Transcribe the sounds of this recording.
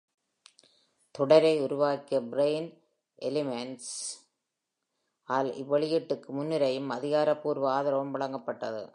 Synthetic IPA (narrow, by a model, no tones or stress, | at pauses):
t̪ɔɽɐɾɐɪʊɾʊʋaːkːɪjɐbɪɾeɪn | ʔɛlɪmɛnʈs | ʔaːlɪ̰ʋːɐɭɪjɪʈːɯkːɯmʊnːɪɾɐjɯmɐðɪɣaːɾɐpːuːɾʋɐaːðɐɾɐʋɐmʋɐɭɐŋɡɐpːɐʈːɐðɯ̰